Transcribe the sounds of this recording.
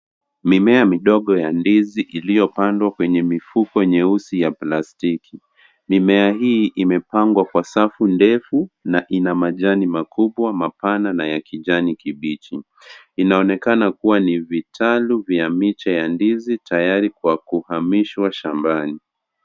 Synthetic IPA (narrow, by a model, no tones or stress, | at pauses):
mimɛamiɗɔɠɔjandiziʔilijɔpandwakwɛɲɛmifukɔɲɛusijaplastikʰi | mimɛaɦiːʔimɛpaŋɡwakwasafundɛfunaʔinamaʄanimakuɓwamapananajakiʄanikiɓit͡ʃi | inaɔnɛkanakuwanivitʰaluvjamit͡ʃajandizitajaɾikwakuhamiʃwaʃambani